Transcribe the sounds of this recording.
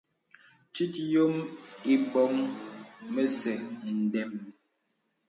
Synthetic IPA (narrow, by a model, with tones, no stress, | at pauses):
t͡ʃi˦tjo˦mi˦bɔ˦ŋ | me˦sɛ˨n̩˨dɛ˨m